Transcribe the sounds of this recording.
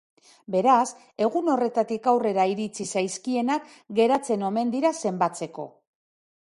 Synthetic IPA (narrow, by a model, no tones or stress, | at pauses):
be̞ɾas | e̞ɣuno̞re̞t̪at̪ikawre̞ɾaiɾit͡sisajskie̞nak | ɡe̞ɾat͡se̞no̞me̞nd̪iɾase̞mbat͡se̞ko̞̰